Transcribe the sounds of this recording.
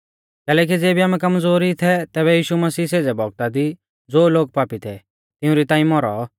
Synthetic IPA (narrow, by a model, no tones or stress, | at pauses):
kɛːlɛːk̬id͡zeːbʱiaːmɛkɐmd͡zoːɾit̪ʰɛt̪ɛːβɛjiːʃumɐsiːseːd͡zɛbʱɔɡ̚t̪ad̪i | d͡zoːloːɡ̚paːpit̪ʰɛ | t̪ɪũɾit̪ãːĩmɔɾɔ